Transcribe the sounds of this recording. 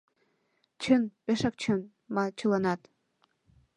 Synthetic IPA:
t͡ɕʰənpeʃɑk̚t͡ɕʰən | mɑt͡ɕʰəlɑnɑt̪

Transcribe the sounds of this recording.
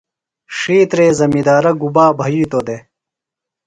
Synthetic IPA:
ʂiːt̪ɾeːzɐmid̪aːɾɐɡubaːbʱɐjiːt̪oːd̪e

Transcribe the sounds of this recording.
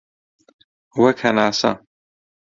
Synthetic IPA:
wɐkʰɐnaːsɐ̰

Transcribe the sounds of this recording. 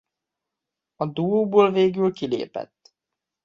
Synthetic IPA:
ɒd̪uoːboːlveːɡylkilḛːpɛ̰t̪ː

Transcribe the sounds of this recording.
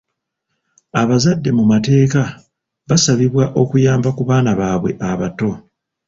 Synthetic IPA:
aβazadːe̞mumate̞ːka | βasaβiβwaʔo̞kujaːmbakuβaːnaβaːβwe̞̰ʔaβato̞

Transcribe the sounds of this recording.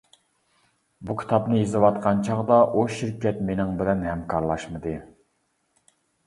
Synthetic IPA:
bukʲʰi̥t̪ʰɑpnɨezɨwɑt̪̚qʰɑnt͡ʃʰɑʁd̪ɑʔuʃiɾkʲɛt̪menɪŋbɪlɛnhɛmkʰɑɾlˠɑʃmɨd̪ɨ

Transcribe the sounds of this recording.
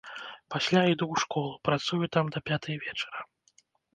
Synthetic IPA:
pasʲlʲaid̪uwʂkɔlˠupɾat̪sujut̪amd̪ɐpʲat̪ɨjɐvʲɛt͡ʂɐ̥ɾɐ

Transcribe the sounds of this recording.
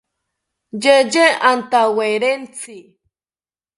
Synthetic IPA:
d͡ʒed͡ʒeant̪aweɾent͡si

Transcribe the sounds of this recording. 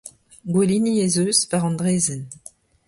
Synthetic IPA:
ɡweliniezøːzvaʁɑ̃nd̪ʁeːzɛn

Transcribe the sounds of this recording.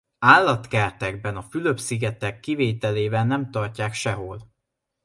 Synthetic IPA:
aːlːɒt̪kɛrt̪ɛɡ̚bɛnɒfyløpsiɡɛt̪ɛkːiveːt̪ɛleːbɛnːɛmt̪ɒrcaːkʃɛɦo̞l

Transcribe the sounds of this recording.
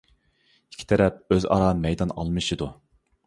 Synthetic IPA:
i̥kʲʰːi̥t̪ʰɛɾɛp̚øzɑ̰ɾɑːmɛjd̪ɑnɑ̰lˠmɨʃid̪u

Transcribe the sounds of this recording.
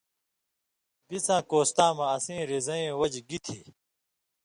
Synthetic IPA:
bisãːkoːst̪ãːmãːsĩːɾezɐẽːwɐd͡ʑɡit̪ʰiː

